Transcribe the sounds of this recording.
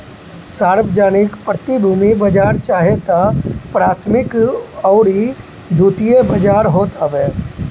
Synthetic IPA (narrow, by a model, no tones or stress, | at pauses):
saːɾbəd͡ʒaːnɪkpɾət̪ibʱuːmibɐd͡ʒaːɾt͡ʃaːɦet̪apɾaːt̪ʰmɪkɔːɾi | d̪ʱuːt̪ijebɐd͡ʒaːɾɦoːt̪aʋɛː